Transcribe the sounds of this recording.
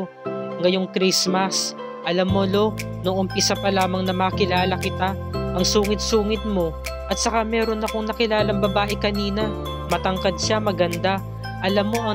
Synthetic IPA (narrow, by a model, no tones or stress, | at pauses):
ŋɐjo̞ŋkɾismɐs | ʔɐlamːolo̞ | noʔompɪsapɐlaːmɐŋnɐmaːkɪlaːlɐkɪt̪aʔɐŋsuːŋɪt̪̚suːŋɪd̪̚mo̞ | ʔɐt̪̚sɐkamɛːɾo̞nɐko̞ŋnɐkɪlaːlɐŋbɐbaːʔɛkɐniːnɐ | mɐt̪ɐŋkɐd̪̚ʃamɐɡɐnd̪a | ʔɐlamːo̞ʔɐ